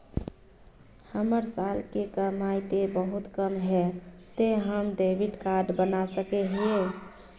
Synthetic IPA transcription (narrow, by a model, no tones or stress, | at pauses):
həməɾsalkekəmajt̪ebəɦut̪kəmɦɛt̪eɦəmɖebiɖkaɾɖbənasəkeɦe